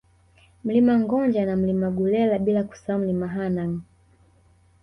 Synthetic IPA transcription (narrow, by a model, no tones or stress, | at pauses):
m̩limaŋɡɔɲd͡ʒanam̩limaɡulɛlaɓilaku̥sam̩limaɦanaŋ